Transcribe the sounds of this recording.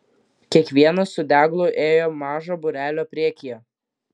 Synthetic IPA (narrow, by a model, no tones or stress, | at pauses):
kʲiɛkʋʲiɛnɐsʊd̪ʲæːɡlˠʊʔeːjoːmɑːʒoːbʊɾʲæːlʲoːpʲɾʲiɛkʲɪjoː